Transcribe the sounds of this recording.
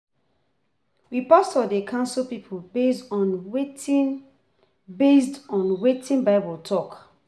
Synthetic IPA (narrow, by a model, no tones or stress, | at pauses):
wipastɔdekʰãʊ̃nsulpipʰubesɔn | besdɔ̃nwetʰĩnbaɪbɔltʰɔk